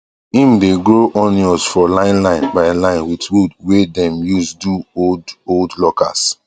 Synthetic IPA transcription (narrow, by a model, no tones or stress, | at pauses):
ĩmdeɡɹoʔɔ̃niɔsfɔlãɪ̃nlãɪ̃nbaɪlãɪ̃nwitwudwedɛ̃mjusduodoldlɔka̰s